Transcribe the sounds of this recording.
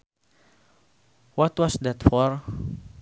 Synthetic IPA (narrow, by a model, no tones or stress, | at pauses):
wɔt̪wɔsd̪ɛt̪fɔɹ